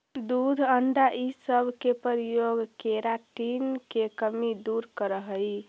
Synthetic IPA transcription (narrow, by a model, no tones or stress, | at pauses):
d̪ud̪ʱəɳɖaʔisəbʱkepəɾijoɡkeɾaʈinkekəmid̪uɾkəɾəɦəj